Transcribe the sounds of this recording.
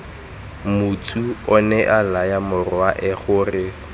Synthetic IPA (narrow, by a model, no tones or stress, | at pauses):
mutʰʼuɔnɛʔalajamʊrʊaʔɛχʊrɪ